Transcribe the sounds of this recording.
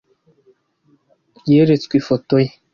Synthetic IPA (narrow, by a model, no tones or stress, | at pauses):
jeɾet͡skʷifotoj